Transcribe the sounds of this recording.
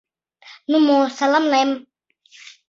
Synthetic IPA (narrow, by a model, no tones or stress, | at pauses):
numosalamlajam